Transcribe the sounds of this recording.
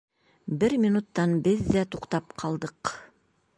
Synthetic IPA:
bɘɾmʲinut̪ːɑnbɘðːæt̪uqt̪ɑp̚qʰɑlˠd̪ɤq

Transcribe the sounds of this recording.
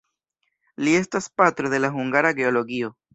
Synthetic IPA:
lie̞staspat̪ɾo̞ðe̞laɦuŋɡaɾaɡe̞o̞lo̞ɡio̞

